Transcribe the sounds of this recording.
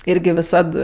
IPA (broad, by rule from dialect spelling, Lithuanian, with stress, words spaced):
ˈɪrʲɡʲɪ ʋʲɪˈsɐt